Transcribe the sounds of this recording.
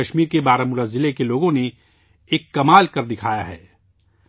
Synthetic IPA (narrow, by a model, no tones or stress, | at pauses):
ɐʃmiːɾkebaːɾamʊɾaːzɪlekeloːɡõne | eːkːɐmaːlkɐɾd̪ɪkʰaːjaɦɛ̰ː